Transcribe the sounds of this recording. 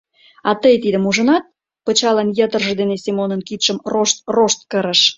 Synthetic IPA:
ɑt̪əjt̪id̪ə̆muʒə̆nɑt̪̚ | pət͡ɕɑlɑnjət̪ə̆rʒə̆d̪enesʲimonənkit̪ʃəmroʃt̪oʃt̪̚kəɾə̆ʃ

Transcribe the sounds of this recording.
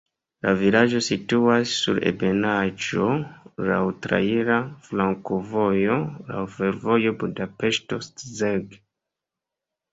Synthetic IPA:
lavilad͡ʒo̞situasːṵɾḛbenad͡ʒo̞la̰wtɾa̰iɾaflaŋkovo̞jo̞la̰wfe̞ɾvo̞jo̞budape̞ʃto̞stzeɡ

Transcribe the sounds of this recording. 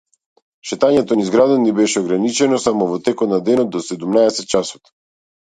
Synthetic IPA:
ʃɛt̪aɲɛt̪ɔnizɡɾad̪anibɛʃɛɔɡɾanit͡ʃɛnɔsamɔvɔt̪ɛkɔt̪nad̪ɛnɔt̪d̪ɔsɛd̪umnaɛsɛt̪̚t͡ʃasɔ̥t̪

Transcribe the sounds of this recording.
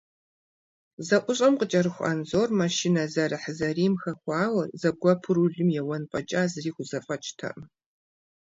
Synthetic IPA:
zɐʔʷʊɕʼɐmqət͡ʃʼɐɾɨxʷɐ̰nzoːrmɐʃɪnɐzɐɾɨħəzɐriːmxɐxʷɑːwɐrzɐb̚ɡʷɔpʰɨɾuɮɨmjɛwɐnpʼɐt͡ʃʼaːzɨriːxʷʊzɐfʼɐt͡ʃʰʼtʰɐ̰ʔ

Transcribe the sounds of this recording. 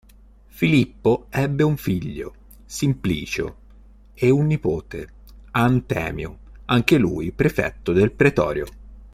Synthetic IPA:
filipːoɛbːeuɱfiʎːo̰ | simpliːt͡ʃo̰ | eunːipoːt̪ḛ | ant̪ɛ̰ːmjoaŋk̟elṵːjpɾefɛ̰t̪ːod̪elpɾet̪ɔ̰ːɾjo

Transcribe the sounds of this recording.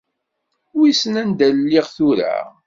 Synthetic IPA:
wisənænd̪ællːiʁθuɾa̰

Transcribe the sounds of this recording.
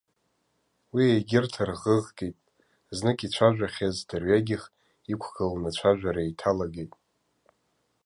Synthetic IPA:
wiejɡʲɪrtʰarʁəʁɡejtʼ | znɨkʼit͡ɕʷʰaʒᶣaχʲazdarɥaɡʲɪχ | ikʷʰɡalnat͡ʃʷʰaʒᶣʷaɾaitʰalaɡejtʼ

